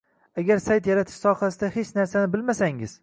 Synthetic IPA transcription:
aɡʲaɾsajt̪jaɾat̪ʰɪ̥ʃsɒhasɪd̪ahe̞t͡ʃnaɾsanɪbɪlmasaŋɪ̰z̥

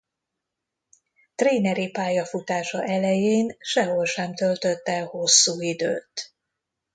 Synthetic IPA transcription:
t̪reːnɛɾipaːjɒfut̪aːʃɒʔɛlɛjeːnʃɛɦo̞lʃɛmt̪ølt̪øt̪ːɛho̞sːuːid̪ø̰ːt̪

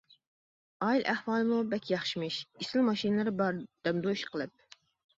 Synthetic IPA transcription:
ɑilʔæhwɑːlˠɨmubɛkʲjɑχʃimɪʃisɪlmɑʃinɨlˠɨɾɪbɑɾd̪̥ɛmd̪oʃqʰəlˠɨp̚

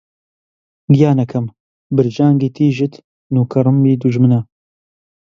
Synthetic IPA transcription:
ɡijaːnɐkʰɐm | bɨɾd͡ʒaːŋɡiːt̪ʰiːʒɨt̪ | nuːkʰɐɾɨmbiːd̪uʒmɨnɐ

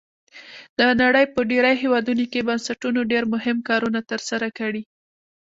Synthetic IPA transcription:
d̪ənaɽəjpəɖeɾəjɦewɑd̪unokebansaʈunoɖeɾmʊɦɪmkɑɾunat̪əɾsaɾakaɽi

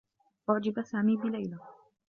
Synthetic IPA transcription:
wɑd͡ʒɪbasaːmiːbɪlajla

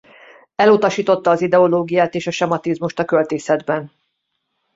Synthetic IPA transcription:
ɛlut̪ɒʃiːt̪o̞t̪ːɒːzid̪ɛo̞loːɡijaːt̪eːʃɒʃɛmɒt̪izmuʃt̪ɒkø̞lt̪iːsɛd̪bɛn

